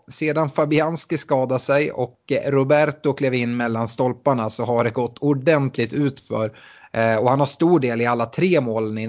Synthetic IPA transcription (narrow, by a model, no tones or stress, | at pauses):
seːd̪anfabɪanskɪskɑːd̪asɛjɔ̰kɾʊbæɾt̪ʊkʰleːvɪnːmɛlːanst̪ɔlpaɳasɔɦaɖɛɡɔt̪ːʊɖɛnt̪ʰlɪɡt̪ʉ̟ːt̪fœ̰ɾ | ɔhanhaʂt̪uːɖeːlɪalːat̪ʰɾeːmoːlnɪ